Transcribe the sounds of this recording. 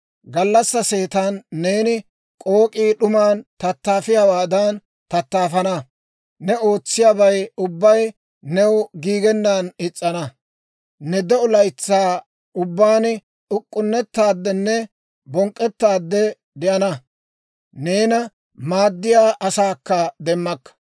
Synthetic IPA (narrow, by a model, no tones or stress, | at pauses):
ɡɐlːɐsːɐseːt̪anːeːnɪ | kʼo̞ːkʼiːɗʊmaːnt̪ɐt̪ːaːfɪjaːwaːd̪ɐn | t̪ɐt̪ːaːfɐnɐ | nɛo̞ːt͡sːɪjaːbɐjʊbːɐj | nɛwɡiːɡɛnːaːnɪt͡sʼːɐnɐ | nɛd̪ɛʊlɐjt͡sːaː | ʊbːaːn | ʊkʼːʊnːɛt̪ːaːd̪ːɛnːɛ | bɔŋkʼːɛt̪ːaːd̪ːɛ | d̪ɪʔɐnɐ | neːnɐ | maːd̪ːɪjaːʔɐsaːkːɐd̪ɛmːɐkːɐ̥